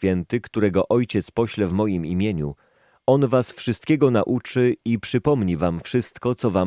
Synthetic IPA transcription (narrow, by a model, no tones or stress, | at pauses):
fʲjɛnt̪ɘkt̪uɾɛɡɔʔɔjt͡ɕɛt̪spɔɕlɛvmɔjimimʲjeɲu | ɔnvasfʂɘst̪̚kʲeɡɔnaʔut͡ʂɘipʂɘpɔmɲivamfʂɘst̪kɔt̪sɔva